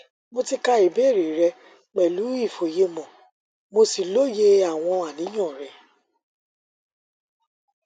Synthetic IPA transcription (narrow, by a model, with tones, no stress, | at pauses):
mo˧ti˦ka˧i˨bɛ˨˦˨ɾe˨ɾɛ˧ | k͡pɛ˨lu˨˦i˦˨fo˨je˧mɔ̃˨ | mo˧si˨lo˦je˧a˨w̃ɔ̃˧a˨nĩ˨˦jã˦˨ɾɛ˨